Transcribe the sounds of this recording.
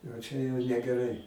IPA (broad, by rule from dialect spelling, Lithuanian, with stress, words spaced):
ɐ ˈt͡ʃʲɛ jɛʊ nʲɛɡʲɛˈrɐɪ